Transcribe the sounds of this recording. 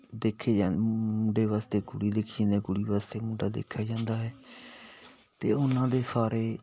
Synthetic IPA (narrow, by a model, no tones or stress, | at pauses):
d̪eːkʰːeːd͡ʒaːmũːɖeːʋaːst̪eːɡʊɽiːd̪eːkʰːẽnd̪eːɡʊɽiːʋaːst̪eːmũːɖaːd̪ḛːkʰːjaːd͡ʒãːnd̪aːɦɛː | t̪ḛːʊnãːd̪eːsaːɾeː